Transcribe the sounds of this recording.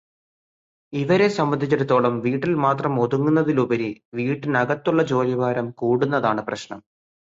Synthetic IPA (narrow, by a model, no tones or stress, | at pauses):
iʋɐɾe̞sɐmbɐnd̪ʱit͡ɕːuɾut̪ːo̞ːɭɐmʋiːʈːilmaːt̪rɐmo̞ðuŋːunːɐðilubɐɾiʋiːʈːinɐɣɐt̪ːuɭːɐt͡ɕo̞ːliʋaːɾɐmkuːɽun̪ːɐðaːɳɨprɐɕnɐ̰m